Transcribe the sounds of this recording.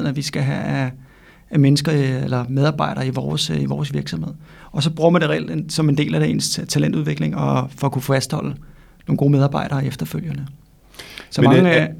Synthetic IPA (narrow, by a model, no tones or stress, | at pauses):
ð̰ˠnæʋisɡ̥æɦææː | menəsɡ̥ɐelɐmeð̞ˠɑ̈ːb̥ɑ̈ɪ̰ɾ̥ɐːiʋɒːsiʋɒːsʋiɐɡ̥sɒ̽mhe̝ð̞̰ˠɒ̽sɒ̽b̥ʁuːɐmænd̥e̝ʁɛ̰ld̥ensɒ̽me̝nde̝̰ːlæd̥ee̝̰nst͡sʰælen̰d̥uðˠʋe̝ɡ̥le̝ŋɒ̽fɒ̽ːkufæsd̥hɒ̽l̰ə | no̝ːn̩ɡo̝̰ːmeð̞ˠɑ̈ːb̥ɑ̈ɪ̰ɾ̥ɐːefd̥ɐføl̰jɐnə | sɒ̽mɑŋ